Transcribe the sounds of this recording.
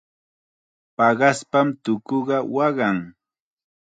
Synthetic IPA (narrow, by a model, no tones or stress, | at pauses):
pɑɢɑspamt̪ʊkoɢɑwɑɢɑŋ